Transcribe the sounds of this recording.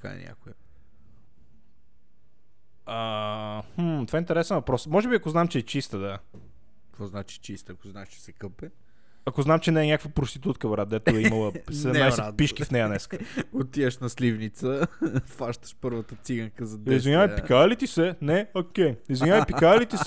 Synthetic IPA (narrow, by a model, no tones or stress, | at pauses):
t̪ka̰ɛ̰nʲa̰kʊjə | ahm̩t̪ovaint̪ɛɾɛsɛnvɐpɾɔsmɔʒɛbiɐkoznamt͡ʃɛːt͡ʃist̪əd̪a | kvɔznat͡ʃit͡ʃist̪ɐkʊznaɛʃt͡ʃɛ̥sɛkɤpɛ | ɐkoznamt͡ʃɛnɛːnʲakəvəpɾost̪it̪ut̪kəvɐɾat̪̚d̪ɛt̪ʊɛimɐlˠəssɛd̪ɛmnaj̪ɛapiʃkifnɛjənɛskəot̪iɛʃnɐslivnit̪səfaʃt̪ə̥ʃpɤɾvət̪ət̪siɡəŋkəzɐd̪izvinʲjavəjpikalit̪isɛnɛokʲɛjizvinʲavpikalit̪isɛ